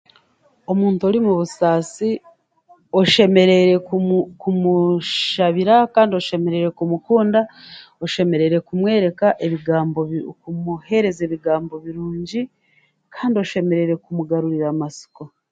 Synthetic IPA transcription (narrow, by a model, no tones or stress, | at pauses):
o̞muːntuoɾimuβusaːsi | o̞ʃe̞me̞ɾe̞ɾe̞kumuʃaβiɾakaːndio̞ʃe̞me̞ɾe̞ɾe̞kumukuːndao̞ʃe̞me̞ɾe̞ɾe̞kumwe̞ːɾe̞kaʔe̞βiɡaːmbokumuhe̞ɾe̞ze̞ːβiɡaːmbo̞βiɾuːɲɟi | kʰaːndio̞ʃe̞me̞ɾe̞ɾe̞kumuɡaɾuɾiɾamasi̥ko